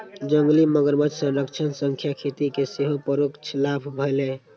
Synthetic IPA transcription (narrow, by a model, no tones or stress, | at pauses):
d͡ʒəŋɡliməɡəɾbəd͡ʒsənɾəkt͡ʃʰənsəŋkʰjakʰet̪ikeseɦopəɾokt͡ʃʰlapʰbʱəɪle